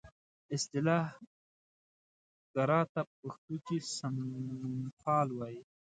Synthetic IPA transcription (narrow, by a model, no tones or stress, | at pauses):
ɪst̪ɪlɑːh | ɡ̥aɾɑːt̪auxt̪ukisam | pɑːlwɑji